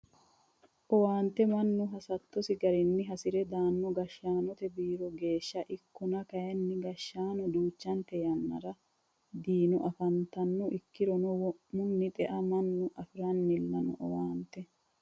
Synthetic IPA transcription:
ʔɔwaːnt̪ɛmɐnːʊɦɐsɐt̪ːɔsɪɡɐɾɪnːɪɦɐsɪɾɛd̪aːnːɔɡɐʃːaːnɔt̪ɛbiːɾɔɡe̞ːʃːɐʔɪkːʊnɐkɐjɐnːɪɡɐʃːaːnɔd̪uːt͡ʃːɐnt̪ɛjɐnːɐ̰ɾɐ | d̪iːnʊʔɐfɐnt̪ɐnːɔʔɪkːɪɾɔnɔwmʊnːɪt̪ʼɛʔɐmɐnːʊʔɐfɪɾɐnːɪlːɐnɔʔɔwaːnt̪ːɛ

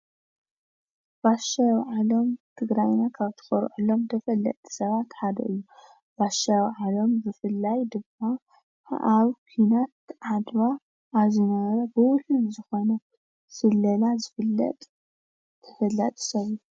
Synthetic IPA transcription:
baʃajʕalo̞mt̪ʰɨɡɾajnakʰaβt̪ʰɨ̥xɐɾʕulo̞mt̪ʰɐfɐlːɐ̰t̪ʼi̥sɐβat̪ħad̪ɐʔɨjːu | b̥aʃajwʕalo̞mzɨfɨlːajd̪ɨmːa | ʔaβkʰinat̪̚ʕad̪βaː | βzinɐβɐɾɐbɨwʊħɨlzɨxo̞nɐ | sɨlːɐlazɨfɨlːɐ̰t̪ʼ | t̪ʰɐfɐlːɐt̪ʼsɐβɨju

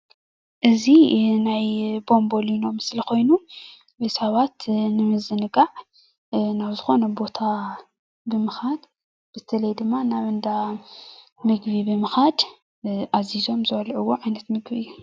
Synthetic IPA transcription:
ʔɨzinajbo̞mbo̞lino̞mɨslikʰo̞jnu | wejsaβat̪nɨmɨzɨnɨɡaʕ | naβzɨxo̞nɐbo̞t̪ʰa | bɨmɨxad̪ | b̥ɨt̪ʰɐlɐjd̪ɨmːanaβɨnd̪a | mɨɡβibɨmɨxad̪ | ʔazizo̞mzɨβɐlʕuwːoʕajnɐt̪mɨɡbiɨjːu

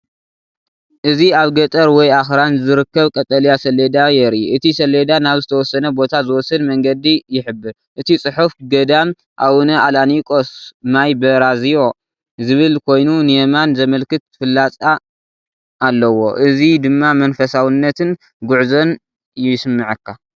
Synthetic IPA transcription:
ʔɨziaβɡɐt̪ʼɐɾwɔjaxɾanzɨɾɨkːɐβkʼɐt̪ʼɐljasɐled̪ajɛɾiʔɨt̪ʰisɐled̪anaβzɨt̪ʰɐwɔsːɐnɐbo̞t̪ʰazɨwɔsɨd̪mɐŋɡɐd̪ijɪħɨbːɨɾ | ʔɨt̪ʰit͡sʼɨħufɡɐd̪am | ʔawunɐʔalanikʼosmajbɐɾazijo̞ | zɨβɨlkʰo̞jnunɨjemanzɐmɐlkɨt̪fɨlːat͡sʼa | ʔːlːɐwo̞ʔɨzid̪ɨmːamɐnfɐsawɨnːɐt̪ʰɨn | ɡʊʕzo̞n | jɪsɨmːɨʕɨkʰːa

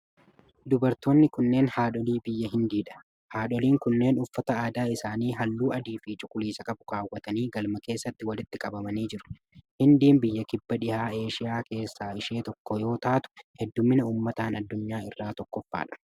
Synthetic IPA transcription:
d̪ʊbɐɾt̪oːnːɪkʊnːe̞ːnhaːᶑɔliːbɪjːɐɦɪnd̪iːᶑɐ̥ | haːᶑɔliːŋkʊnːe̞ːnʊfːɐt̪ɐaːd̪aːɪsaːniːɦɐlːuːɐd̪iːfiːt͡ʃʊkʼʊliːsɐkʼɐbʊkaːwːɐt̪ɐniːɡɐlmɐke̞ːsːɐt̪ːɪwɐlɪt̪ːɪkʼɐbɐmɐniːd͡ʒɪɾʊ̥ | hɪnd̪iːnbɪjːɐkɪbːɐᶑɪhaːe̞ːʃɪjaːke̞ːsːaːɪʃeːt̪ɔkːɔjo̞ːt̪aːt̪ʊ̥hɛd̪ːʊmːɪnɐuːmːɐt̪aːnɐd̪ːʊɲːaːɪrːaːt̪ɔkːɔfːa̰ːᶑɐ̥

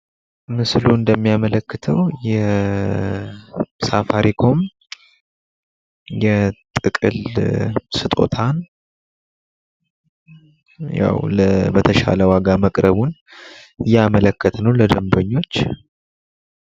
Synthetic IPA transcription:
mɨsluɨnd̪əmːijamələkːɨt̪ʰəwjɛ | safaɾʔikʰo̞m | jɛt̪ʼɨkʼɨ̰l | sɨt̪ʼo̞̰t̪ʰan | ja̰wləbət̪ʰəʃa̰ləwaɡaməkʼɾəβun | ɨjɛamələkːət̪ʰnəwləd̪əmbəɲːo̞t͡ʃː

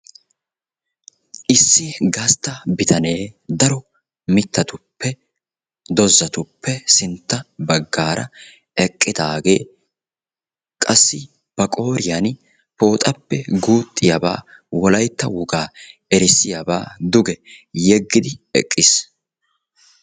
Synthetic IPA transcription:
ʔɪsːɪɡɐst̪ːɐbɪt̪ʰɐne̞ːd̪ɐɾɔ | mɪt̪ːɐt̪ʊpːɛ | d̪ɔzːɐt̪ʊpʰːɛsɪnt̪ːɐbɐɡːaːɾɐ | ɛkʼːɪd̪aːɡe̞ː | kʼɐsːɪ | b̥ɐkʼo̞ːɾɪjan | po̞ːt̪ʼɐpːɛɡuːt̪ʼːɪjaba̰ː | wɔlɐjt̪ːɐwʊɡaːɛɾɪsːɪjaba̰ːd̪ʊɡɛjɛɡːɪd̪ɪɛkʼːɪs

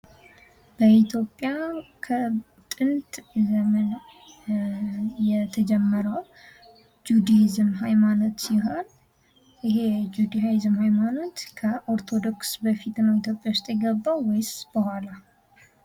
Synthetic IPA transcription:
b̥əit̪ʰjo̞pʼːjakʰə | t̪ʼɨnt̪ʼzəmən | jɛt̪ʰəd͡ʒɛmːəɾəw | d͡ʒud̪aizɨmɦajmanot̪ːɪɦoɾ | ɪɦe̞d͡ʒud̪ajajizɨmhajmano̞t̪kʰəʔoɾt̪ʰo̞d̪o̞ksbəfit̪nəwit̪jo̞pʼjawʊst̪ʼjɛɡəbːawwɔjsb̥əhʷala

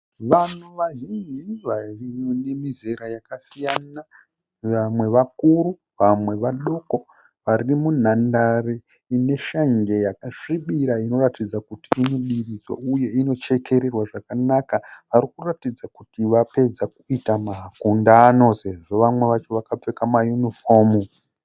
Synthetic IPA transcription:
ʋanuʋaʒind͡ʒiʋaine̞mize̞ɾajakasijana | ʋamwe̞ʋakuru | ʋamwe̞ʋaɗo̞ko̞ | ʋarimun̤andari | ine̞ʃaŋɡe̞jakaʂiɓiɾaino̞ratid͡zakutiːnoɗirid͡zwa̰uje̞ino̞t͡ʃe̞ke̞ɾe̞rwaʐakanakaʋaɾikuratid͡zakutiʋape̞d͡zakuitamaɦkundano̞se̞ʐo̞ʋamwe̞ʋat͡ʃo̞ʋakap͡fe̞kamajunifo̞ːmu

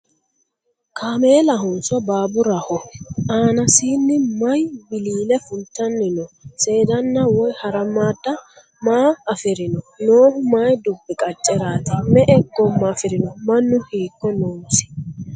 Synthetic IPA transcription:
kʰaːmeːlɐɦʊnsɔbaːbʊɾɐhɔaːnɐsiːnːɪmɐjbɪliːlɛfʊlt̪ːɐnːɪnɔse̞ːd̪ɐnːɐwɔjhɐɾɐmːaːd̪ːɐ | maːfɪɾɪnɔnoːhʊmaːjd̪ʊbːɪkʼɐt͡ʃʼːɛɾaːt̪ɪmɛʔɛɡɔmːɐːfɪɾɪnɔmɐnːʊhiːkːɔnoːnsɪ̥

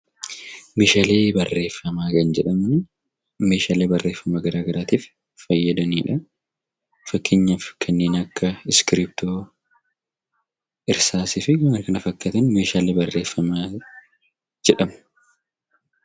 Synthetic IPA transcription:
meːʃaːle̞ːbɐrːe̞ːfːɐmaːkɐnd͡ʒɛᶑɐmʊn | meːʃaːleːbɐrːe̞ːfːɐmaɡɐɾaːɡɐɾaːt̪iːf | fɐjːɐd̪ɐniːᶑɐ | fɐkːɪɲːɐfkʰɐnːe̞ːnɐkːɐɪskɪɾip̚t̪oː | ɪɾsaːsɪfɪɡɐmɐɾkɐnɐfɐkːɐt̪ɐnmeːʃaːle̞ːbɐrːe̞ːfːɐmaː | d͡ʒɛᶑɐmɐ̥

